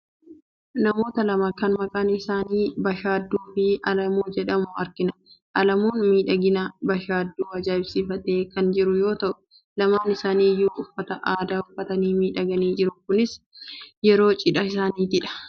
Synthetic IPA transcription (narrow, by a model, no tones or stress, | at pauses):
nɐmo̞ːt̪ɐlɐmaːkɐnmɐkʼaːnɪsaːniːbɐʃaːd̪ːuːfɪɐlɐmuːd͡ʒɛᶑɐmʊɐ̰ɾkɪnɐʔɐlɐmuːnmiːᶑɐɡɪnɐbɐʃaːd̪ːuːɐd͡ʒaːɪbsɪfɐt̪eːkɐnd͡ʒɪɾʊjo̞ːt̪ɐʔʊ̥ | lɐmaːnɪsaːniːjuːʊfːɐt̪ɐʔaːd̪aːʊfːɐt̪ɐniːmiːᶑɐɡɐniːd͡ʒɪɾʊkʊnɪs | jɛɾo̞ːt͡ʃʼɪᶑɐɪsaːniːt̪ɪᶑɐ̥